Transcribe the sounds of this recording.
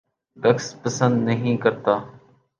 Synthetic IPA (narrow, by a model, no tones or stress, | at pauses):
bəkspəsə̃nd̪nəɦĩːkəɾt̪aː